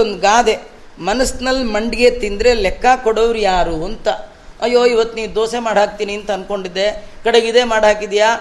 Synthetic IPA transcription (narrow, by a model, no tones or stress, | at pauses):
ond̪ɡaːd̪e̞ | mɐnɐsnɐlːmɐɳɖiɡe̞t̪ind̪ɾe̞lɛkʰːakɔɽoʋɾjaːɾuɐnt̪ɐ | ɐjːoːiʋɐt̪ːniːʋd̪oːsemaːɽɦaːk̚t̪iːniɐnt̪ɐɐnko̞ɳɖid̪ːe̞kɐɽeɡid̪eːmaːɽɦaːkid̪jaː